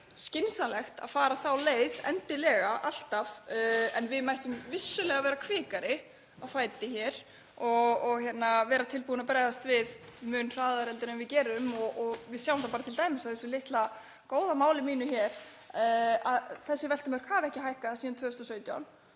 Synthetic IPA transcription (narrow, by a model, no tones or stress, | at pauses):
scɪnsalɛxt̪a̰ðfaːɾaθawleːjðɛ̰nt̪ɪlɛːɣaʔal̥t̪avɛ̰nvɪðmajht̪ʏmvɪsːʏlɛːɣavɛːɾakʰvɪːkaɾɪ | afaːjt̪ɪçɛɾ̥ | ɔɔɣçɛt̪navɛːɾat̪ʰɪlpuːnapɾɛːjðast̪vɪðmʏːnr̥aːðaɾɛlt̪ʏɾɛnvɪcɛːɾʏmɔɔvɪðsjawmθawpaːɾat̪ʰɪlt̪aːjmɪsawθɛsːʏlɪht̪la | koːwðamaːwlɪmiːnʏçɛɾ | aðθɛsːɪvɛl̥t̪ɪmœɾ̥kʰaːvɛhcɪhaːjhkaðasiːðant̪ʰœːʏst̪ɔsœːɥt̪ja̰wn